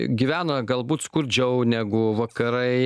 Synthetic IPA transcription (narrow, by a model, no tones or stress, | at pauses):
ɡʲiʋʲæːnɐɡɐlˠbuːt̪skʊɾʲd͡ʒʲɛʊnʲæːɡʊʋɐkɐɾɐɪ